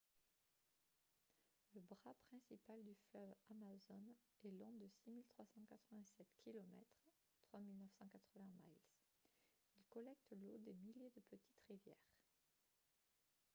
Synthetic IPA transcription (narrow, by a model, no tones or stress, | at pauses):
ləbʁapχɛ̃sipald̪yflœvamazɔn | ɛlɔ̃d̪əsimilt̪χwasɑ̃kat̪χəvɛ̃sɛt̪kʲʰilɔmɛt̪χ | t̪χwamilnəfsɑ̃kat̪χəvɛ̃majls | ilkɔlɛk̚t̪lod̪emiljed̪əpət̪i̥t̪ʁivjɛ̰ːʁ